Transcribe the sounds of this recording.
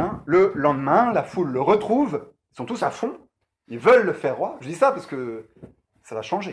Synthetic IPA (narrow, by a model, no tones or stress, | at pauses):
ɛ̃ləlɑ̃d̪mɛ̃lafulːəʁət̪χuv | ilsɔ̃t̪usafɔ̃ | ilvəlːəfɛʁːwaʒəd̪isapaʁsə̥kə | salaʃɑ̃ʒe